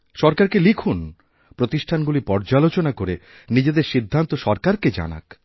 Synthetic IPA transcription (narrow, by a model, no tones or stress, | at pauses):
ʃɔɾkaɾkelikʰun | pɾot̪iʃʈʰanɡulipɔɾd͡ʑalot͡ɕonakoɾe | nid͡ʑed̪eɾʃid̪ʱːant̪oʃɔɾkaɾked͡ʑa̰na̰k